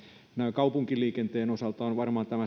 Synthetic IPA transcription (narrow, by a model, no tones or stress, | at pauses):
næiŋkɑupuŋkilːiːkent̪eːnosɑlt̪ɑːnʋɑrmɑːnt̪æmæ